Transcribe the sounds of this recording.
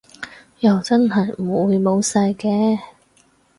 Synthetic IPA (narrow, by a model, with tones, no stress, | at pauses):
jɐ˨wt͡sɐ˥nɦɐ˨jm̩˨˩wu˨˧jmo˨˧wsɐ˧jkɛː˨˧